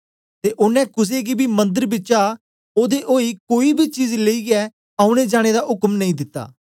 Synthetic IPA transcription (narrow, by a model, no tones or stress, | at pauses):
t̪eːʔʊnɛ̃kʊs̬eɡibimɐ̃nd̪əɾbɪt͡ʃa | oːd̪eʔoːikoːibʱit͡ʃiːd͡ʒleiːɡɛ | aːʊ̃ɽ̃ed͡ʒaːɽ̃ed̪aɦʊkmnɐĩːd̪ɪt̪ːa̰ː